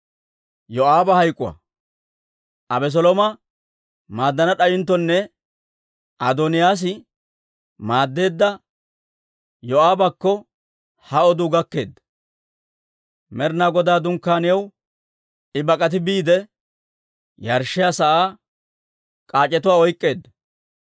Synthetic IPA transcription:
jɔaːbɐhɐjkʼːʊwɐ̰ | ʔɐbɛs̬ɔlɔmɐ | maːd̪ːɐnɐɗɐjɪnt̪ːɔnːɛ | ʔɐd̪ɔnɪjaːs̬ɪ | maːd̪ːe̞ːd̪ːɐ | jɔaːbɐkːɔ | hɐɔd̪ʊɡɐkːe̞̰ːd̪ːɐ | mɛɾnaːɡɔd̪aːd̪ʊŋkːaːnɪjɐw | ɪbɐkʼɐt̪̬ɪbiːd̪ɛ | jɐɾʃːɪjaːsɐʔaː | kʼaːt͡ʃʼːɛt̪ʊwaːɔjkʼːe̞ːd̪ːɐ

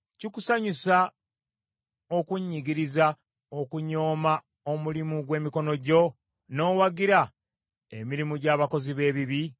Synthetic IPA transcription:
cikusaɲisa | o̞kuɲːiɡiɾiza | o̞kuɲo̞ːma | o̞mulimuɡwe̞ːmiko̞no̞ɟo̞ | no̞ːwaɡiɾa | e̞̰miɾimuɟaːβako̞ziβe̞ːβiβi

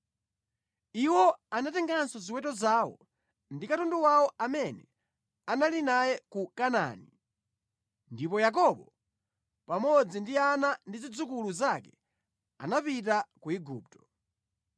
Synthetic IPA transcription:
iwɔanatɛŋɡansɔziwɛtɔzaːwɔ̰ | ndikatɔnduwawɔamɛnɛ | analinajɛkukana̰ːni | ndipɔjak̬ɔɓɔ | pamɔd͡zindianandizid͡zukuluzakɛ | a̰napitakuiɡṵːp̚tɔ̥

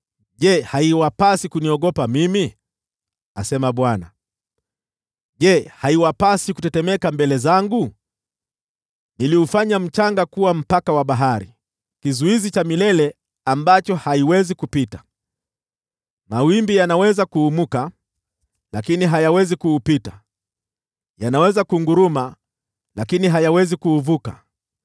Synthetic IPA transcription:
ʄɛhaiwapasikuniɔɠɔpamimi | a̰sɛmaɓwana̰ | ʄɛhaiwapasikutɛtɛmɛkambɛlɛzaŋɡu | niliufaɲam̩t͡ʃaŋɡakuwam̩pakawaɓaɦaɾḭ | kizuizit͡ʃamilɛlɛ | ambat͡ʃɔhaiwɛzikupitḁ | mawimbijanawɛzakuːmuka | lakiniɦajawɛzikuːpita | janawɛzakuŋɡuɾuma | lakiniɦajawɛzikuːvuka̰

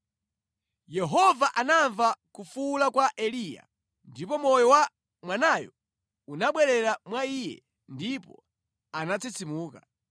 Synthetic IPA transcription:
jɛɦɔvaʔanaɱvakufulakwaʔɛlija̰ | ndipɔmɔjɔwa | mwanajɔ̰ | unaɓwɛɾɛɾamwaiːjɛ̰ | ndipɔ̰ | anat͡sit͡sʰimuːka

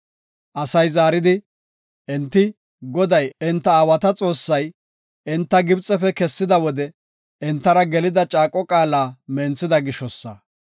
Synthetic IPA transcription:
ʔɐsɐjzaːɾɪd̪ɪ | ʔɪnt̪ːɪ | ɡɔd̪ɐjɪnt̪ːɐaːwɐt̪ɐt͡sʼo̞ːsːɐj | ʔɪnt̪ːɐɡɪbt͡sʼɛfɛkɛsːɪd̪ɐwɔd̪ɛ | ɪnt̪ːɐɾɐɡɛlɪd̪ɐt͡ʃʼaːkʼːɔkʼaːlaːmɛnt͡sːɪd̪ɐɡɪʃɔsːɐ̰

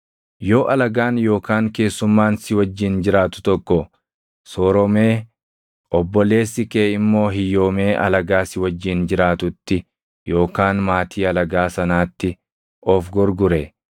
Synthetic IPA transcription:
jo̞ːʔɐlɐɡaːnjo̞ːkaːŋke̞ːsːʊmːaːnsɪwɐd͡ʒːɪnd͡ʒɪɾaːt̪ʊ̥t̪ɔkːɔ | soːɾɔmeː | ʔɔbːɔle̞ːsːɪkeːɪmːo̞ːɦɪjo̞ːme̞ːʔɐ̰lɐɡaːsɪwɐd͡ʒːɪnd͡ʒɪɾaːt̪ʊt̪ːɪ | jo̞ːkaːnmaːt̪ʰiːɐlɐɡaːsɐnaːt̪ːɪ | ɔfɡɔɾɡʊɾe

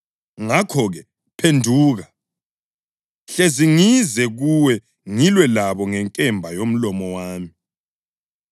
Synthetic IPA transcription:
ŋakʰɔɣɛ | pʰendʱuːɣa | ɬeziŋizɛɣuwɛ | ŋilwɛlaβɔŋɛŋkʼɛmbʱajom̩lɔmɔwaːmi

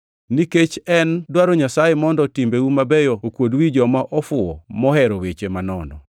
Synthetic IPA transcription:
niket͡ʃɛndwaɾɔɲasajemɔndɔtimbewumabejɔokwodwid͡ʒɔmaʔɔfʊɔmɔhɛɾowet͡ʃemanɔnɔ̰

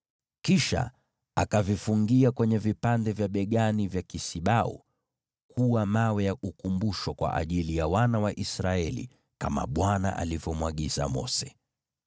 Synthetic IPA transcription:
kiʃa̰ | akavifuŋɡiakwɛɲɛvipandɛvjaɓɛɠanivjakisiɓaṵ | kʰuwamawɛjaʔukumbuʃɔkwa̰ʔa̰ʄilijawanawaʔisɾaɛlḭ | kama̰ɓwana̰ʔa̰livɔmwaɠiza̰mɔ̰sɛ̥

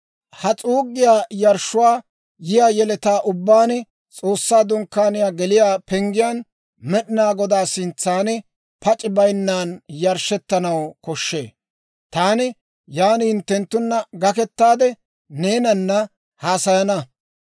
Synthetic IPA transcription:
hɐt͡sʼuːɡːɪjaːjɐɾʃːʊwaː | jɪjaːjɛlɛt̪aːʔʊbːaːnɪ | t͡sʼo̞ːsːaːd̪ʊŋkːaːnɪjaːɡɛlɪjaːpɛŋɡɪjaːn | mɛɗɪnaːɡɔd̪aːsɪnt͡sːaːnɪ | pɐt͡ʃʼɪbɐjnːaːnjɐɾʃɛt̪ːɐnɐwkɔʃːḛː | t̪aːnɪ | jaːnhɪnt̪ːɛnt̪ːʊnːɐɡɐkɛt̪ːaːd̪ɛ | ne̞ːnɐnːɐ | haːsɐjɐnɐ

